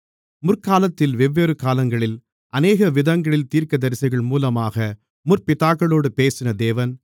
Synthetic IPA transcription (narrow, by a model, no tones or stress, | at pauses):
mʊrkaːlɐt̪ːɪlʋɛʋːeːɾɯkaːlɐŋɡɐɭɪl | ʔɐneːɣɐʋɪðɐŋɡɐɭɪlt̪iːɾkɐd̪ɐɾɪsɐɪɣɐɭmuːlɐmaːɣɐ | mʊrpɪt̪aːkːɐɭoːɽɯpeːsɪnɐd̪eːʋɐn